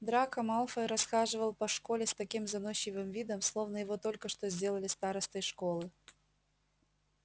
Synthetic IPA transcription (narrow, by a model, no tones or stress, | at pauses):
d̪ɾakɐmalˠfəɾɐsxaʐɨvəlˠpɐʂkolʲɪst̪ɐkʲimzɐnoɕːɪvɨmvʲid̪əmslˠo̞vnəjɪvo̞t̪o̞lʲkəʂt̪ozʲdʲe̞lˠəlʲɪst̪aɾəst̪əjʂkolˠɨ